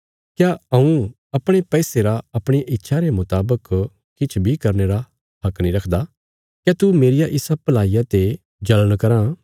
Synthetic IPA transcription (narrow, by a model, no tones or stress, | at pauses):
kjaɐ̃ũ | ɐpɽ̃epɛːseɾaɐpɽ̃eʔɪtːʃʰaɾemʊt̪aːbək | kɪt͡ʃʰbʱikɐɾneɾa | hɐknĩɾɐkʰd̪a | kjaːt̪umeːɾɪjaʔɪsapɐlaːijat̪e | d͡ʒɐləɽ̃kɐɾã